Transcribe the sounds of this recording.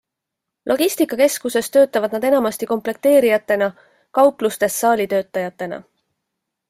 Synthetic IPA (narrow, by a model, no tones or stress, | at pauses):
lʔo̞ɡ̥ist̪ikːˑɑke̞skuse̞st̪ø̞ːt̪ˑːɑvɑd̪̥̚nɑd̪enɑmɑst̪iko̞mple̞k̚t̪e̞ːɾijɑt̪ːˑe̞nɑ | kɑwplust̪e̞sːɑːlʲit̪ø̞ːt̪ːˑɑjɑt̪ːˑe̞nɑ̰